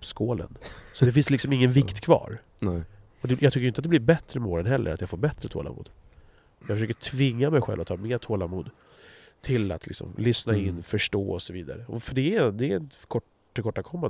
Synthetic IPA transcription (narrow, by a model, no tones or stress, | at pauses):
pskoːlə̰nsɔd̪ɛfɪnslɪksɔmɪŋːənvɪkt̪kʰvɑ̰ːɾ | ɔd̪ɛjɑɡt̪ʏkːjʏnt̪at̪d̪ɛblɪɾbɛt̪ɾəmoːɾənɦɛlːə̰ɾat̪jɑɡfoːɾbɛt̪ɾət̪ʰo̰ːla̰mṵːd̪̥ | jɑɡfœʂøːkəʈʰvɪŋːamɛjɧɛ̰lvat̪ʰɑːmeːt̪ʰoːlamuːd̪ | t̪ʰɪla̰t̪lɪ̰ksɔ̰mlʏsnaɪnːfœʂʈoːɔsɔviːd̪a̰ɾəɔfœɖɛd̪ɛɛɛnkʰɔʈː | kʰɔʈːakʰɔmːan